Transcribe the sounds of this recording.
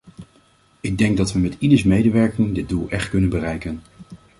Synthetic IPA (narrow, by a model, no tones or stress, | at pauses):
ɪɡ̚dɛŋɡ̚dɑtʋəmɛtidəɹsmejdəʋɛɹkɪŋdɪd̚dulˠʔɛχtkɵnənbərɛjkən